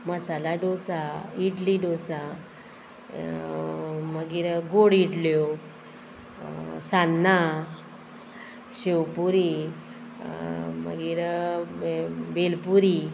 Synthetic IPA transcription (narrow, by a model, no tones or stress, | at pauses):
məsalaɖosaiʈliɖosa | məɡiɾɡoɽiʈljo | sanːa | ɕewpuɾi | mə̰ɡiɾ | belpuɾi